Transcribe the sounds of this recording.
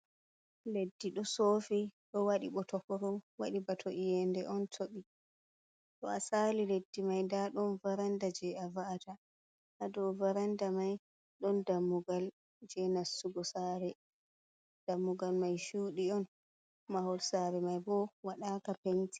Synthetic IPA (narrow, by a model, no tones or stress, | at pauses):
ledːiɗɔsoːfiɗɔwaɗiɓɔtɔkɔɾɔwaɗibatʰoʔijɛndɛʔɔntʰoɓi | ɗɔasaliledːimajndaɗɔnvaɾandad͡ʒɛavaata | hadɔvaɾandamaj | ɗɔndamːuɡal | d͡ʒɛnasːuɡɔsaɾɛ | d̥amːuɡalmajʃuːɗiɔn | mahɔlsaɾɛmajbɔwaɗaːkapenti̥